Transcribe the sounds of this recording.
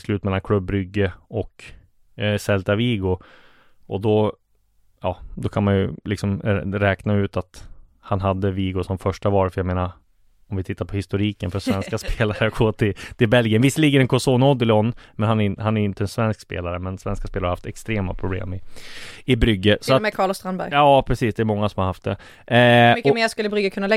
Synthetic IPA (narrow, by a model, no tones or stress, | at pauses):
slʉ̟ːt̪mɛlːankʰlɵbːɾʏɡːəɔk | sɛlt̪aviːɡʊ | ɔd̪ɔ | jɑːd̪ɔkʰanmanjɵlɪ̰ksɔmɾɛːknaʉ̟ːt̪at̪ | hanɦad̪ːəviːɡʊsɔmfœʂʈavɑːɾfœɾjaɡmeːna | ɔmvɪt̪ʰɪt̪ːaɾpʰɔhɪst̪ʊɾiːkənfœʂvɛnskaspʰeːlaɾəɡoːt̪ʰɪt̪ʰɪlbɛlɡɪənvɪsːəliːɡəɾɛnkʰɔsoːnaɔd̪ɪlɔnːmɛnhanæɾɪnhanæɾɪnt̪əɛnsvɛnskspḛːlaɾəmɛnsvɛnskaspeːlaɾhahaft̪ɛkst̪ɾeːma̰pʰɾʊblḛːmɪɪbɾʏɡːəsɔatɛkʰɑːɭɔst̪ɾanbæɾjɑːpʰɾɛsiːsd̪ɛɾmɔŋːasɔmhaɾhaft̪̚d̪ɛ | mkɔmeːskɵlːəbɾʏɡəkʰɵnːalɛ